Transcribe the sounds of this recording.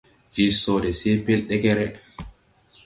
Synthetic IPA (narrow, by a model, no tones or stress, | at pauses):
ʔisɔdɛsɛjpɛlɗɛkɛɾɛ